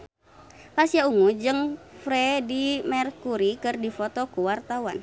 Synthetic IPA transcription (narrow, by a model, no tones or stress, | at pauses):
pasiauŋud͡ʒəŋfɾɛdimɛrkuɾikərdifɔt̪ɔkuwart̪awan